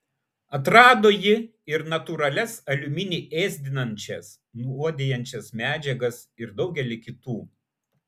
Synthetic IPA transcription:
ɐt̪ɾɑːd̪oːjɪɪɾnɐt̪uɾɐlʲɛsɐlʲʊmʲɪnʲiːʔeːzʲd̪ʲɪnɐnʲt͡ʃʲɛs | nuuɔd̪ʲejɛnʲt͡ʃʲɛsmʲæːd͡ʒʲɛɡɐsɪɾd̪ɒʊɡʲɛlʲɪkʲɪt̪uː

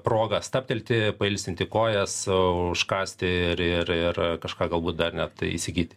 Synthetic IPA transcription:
pɾoːɡɐst̪ɑːpʲt̪ʲɛlʲt̪ʲɪpɐɪlʲsʲt̪ʲɪnt̪ʲɪkoːjɛsʊʃkɑːsʲt̪ʲɪɪrɪrɪrkɐʃkɑːɡɐlˠbuːt̪̚d̪ɐrnʲɛt̪ḭsʲɪɡʲiːt̪ʲɪ̥

